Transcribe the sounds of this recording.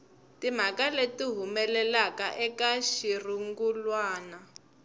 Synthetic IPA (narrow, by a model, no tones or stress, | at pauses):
tim̤akaletiɦumɛlɛlakaʔɛkaʃiriŋɡulwaːna